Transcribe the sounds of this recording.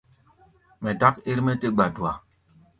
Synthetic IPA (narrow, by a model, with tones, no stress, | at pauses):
mɛ˨da˦ke˦ɾmɛ˦te˦ɡ͡ba˨du˨a˨